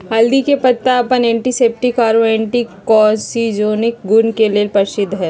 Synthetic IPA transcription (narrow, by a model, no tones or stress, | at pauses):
ɦɐld̪ikepɐt̪ːaɐpənẽːɳʈiseːp̚ʈikaːɾoẽːɳʈikːɔːsid͡ʒoːnɪk̚ɡʊnkeleːlpɐɾʃɪd̪ʱːɦɛː